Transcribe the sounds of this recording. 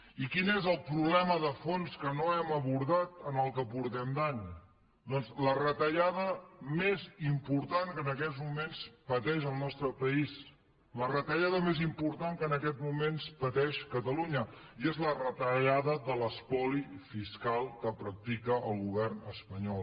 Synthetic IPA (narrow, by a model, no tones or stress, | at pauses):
ikinezəlˠpɾuβlɛməðəfonskənoɛməβuɾðat̪ənəlˠkəpuɾt̪ɛmd̪aɲ | d̪ɔnzlərət̪əʎaðəmezimpuɾt̪aŋkənəkɛt̪zmumenspət̪ɛʒəlˠnɔst̪ɾəpəis | lərət̪əʎaðəmezimpuɾt̪aŋkənəkɛt̪mumenspət̪ɛʃkət̪əluɲəiezlərət̪əʎaðəðələspɔlifiskalˠkəpɾək̚t̪ikəʔəlˠɣuβɛrnəspəɲɔlˠ